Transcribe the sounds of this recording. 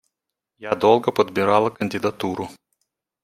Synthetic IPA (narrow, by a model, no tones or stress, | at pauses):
jæːd̪ɔlˠɡɐpɐd̪ʲbʲɪɾɑːlˠɐkɐnʲd̪ʲɪd̪ɐt̪uːɾu